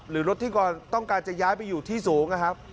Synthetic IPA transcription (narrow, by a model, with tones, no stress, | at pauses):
ɾɯː˩˦ɾo˦˥t̪ʰːiː˥˩kɔː˨˩nt̪ɔ˥˩ŋkaː˧nt͡ɕa˨˩jaː˦˥jpa˧jːuː˨˩t̪ʰiː˥˩suː˩˦ŋna˧˩kʰa˦˥p̚